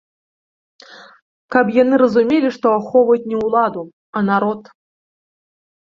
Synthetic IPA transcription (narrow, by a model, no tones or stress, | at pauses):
kapjanɨɾɐzumʲelʲiʂt̪ɔaxɔvɐjut͡sʲnʲɛwlˠad̪u | ɐnaɾɔt̪